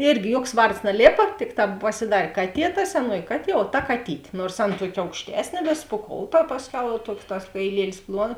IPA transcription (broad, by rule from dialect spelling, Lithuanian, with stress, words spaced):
ˈɪrʲɡʲɪ ˈjuɔks ˈʋɐrts nɐˈlʲeːpɐ ˈtʲɪkˌtɑː pɐsʲɪˈdɐrʲ ˈkɑːˌtʲiɛ tɐ sʲɛˈnuɔjɪ ˈkɑːˌtʲiɛ oː ˈtɐ kɐˈtʲiːtʲeː ˈnoːrs ˈɐn ˈtuɔkʲ ɐʊkʃʲˈtʲæːsʲnʲeː ˈʋʲɪs pʊˈkoːʊtɐ pɐsʲˈkʲɛʊ jɛʊ ˈtuɔks tɐs kɐɪˈlʲiɛlʲɪs ˈplˠuɔn